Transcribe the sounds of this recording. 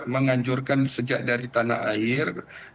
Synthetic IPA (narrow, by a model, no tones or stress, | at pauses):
məŋaɲd͡ʒurkansəd͡ʒaʔ̚daɾit̪ana̰ɦaɪr